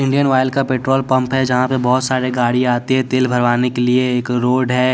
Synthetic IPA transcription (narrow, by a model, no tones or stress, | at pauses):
ɪ̃ɳɖijənʋaːɪlkapeːʈɾoːlpɐ̃mpɦɛd͡ʒɐɦãpebɔɦʊt̪saːɾeɡaːɽiaːt̪iɦɛ̃t̪eːlbʱɐɾʋaːnekelieeːkɾoːɖɦɛː